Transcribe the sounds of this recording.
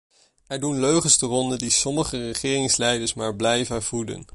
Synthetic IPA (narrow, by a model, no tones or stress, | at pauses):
ɛɹdunløɥχənstərɔndədisɔməχərəχɪːrɪŋslɛjdəɹsmaːɹblɛjvənv̥udə̰n